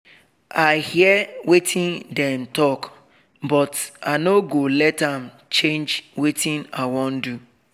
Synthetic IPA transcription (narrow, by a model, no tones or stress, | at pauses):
ahiɛwetʰɪ̃ndɛm̩tɔk | bɔtanoɡolɛtam̩ | t͡ʃẽnd͡ʒwetɪ̃nawɔ̃n̩du